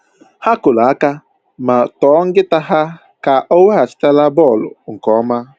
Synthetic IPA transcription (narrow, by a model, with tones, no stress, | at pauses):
ha˦kʊ˨la˨a˦ka˦ | ma˨tɔː˨˦ŋ̩˦ɡɪ˦ta˦ɦa˦ | ka˨ʔo˦we˦a˨sɪ̥˦ta˦la˦bɔ˦˨lʊ̰˨ŋ̩˨kɔ˨˦ma˦